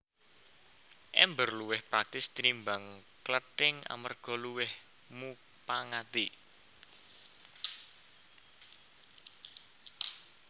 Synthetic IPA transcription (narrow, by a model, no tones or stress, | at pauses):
ʔɛmbərluwɪhpɾak̚t̪ɪst̪ɾimbaŋ | kləʈɪŋa̰mərɡ̥ɔ̤luwɪh | mu | paŋat̪i